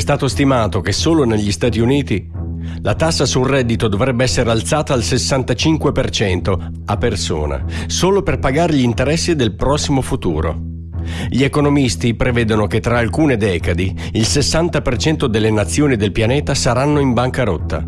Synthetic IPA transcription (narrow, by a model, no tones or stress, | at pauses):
ɛst̪aːt̪ost̪imaːt̪okesːoːloneʎːist̪aːt̪iuniːt̪i | lat̪asːasurːɛd̪ːit̪od̪ovɾɛbːeɛsːeɾealt̪saːt̪aːlsesːant̪at͡ʃiŋkwepert͡ʃɛnt̪o | apːerso̰ːna̰soːloperpaɡaːɾeʎint̪eɾɛsːid̪elpɾɔsːimofut̪ṵːɾo̰ | ʎiekonomist̪ipɾevɛːd̪onoket̪ːɾaːlkuːned̪ɛːkad̪i | ilsesːant̪apert͡ʃɛnt̪od̪elːenat̪sːjoːnid̪elpjanɛːt̪asaɾanːoimbaŋkaɾot̪ːa̰